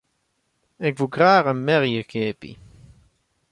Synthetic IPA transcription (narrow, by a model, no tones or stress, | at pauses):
ɪkvuɡraːʁənmɛʁjəkʰeːpḭ